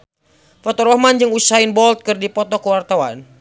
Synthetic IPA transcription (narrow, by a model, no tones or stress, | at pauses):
fɔt̪ɔɾɔhmand͡ʒɨŋusainbɔlt̪̚kɨrdipɔt̪ɔkəwart̪awa̰n